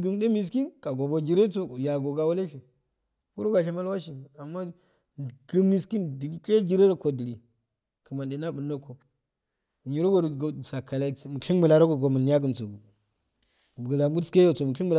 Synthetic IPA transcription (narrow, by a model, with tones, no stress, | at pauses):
ɡi˨m˦de˦mi˨s̬ki˦nka˨ɡo˨bo˨d͡ʒi˨ɾe˦t͡so˦˨ja˨ɡo˨ɡa˨wu˦le˦ʃi˨ | ku˦ɾo˦ɡa˨ʃ̬e˦ma˦lwa˦ʃi˨a˨mːa˦˨ | ɡə˦mi˨ski˦ndi˨˦ke˦d͡ʒi˦ɾe˦ɾko˨di˨ɾi˨ | kə˨ma˨nde˨na˦bu˨nːo˦ko˨ | ɲi˨ɾo˦ɡo˦˨ɾɡsa˨ka˨la˦mu˨ki˦nmə˨la˨ɾa˦ko˨ɡo˨mu˨n˦ja˦ɡə˨nt͡so˨ɡu˨ | ɡla˨˦ɡu˦ske˦jo˨t͡so˨mu˨ki˦bə˨˦